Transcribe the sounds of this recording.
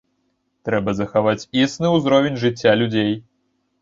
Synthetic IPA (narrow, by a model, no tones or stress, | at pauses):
t̪ɾɛbɐzɐxavat͡sʲisnɨuzɾɔvʲenʲʐɨt͡sʲːalʲud͡zʲej